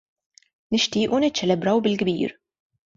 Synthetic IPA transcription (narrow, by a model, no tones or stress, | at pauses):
nɪʃt̪iːʔunɪt̪t͡ʃːɛlabɾawbɪlkbḭːɾ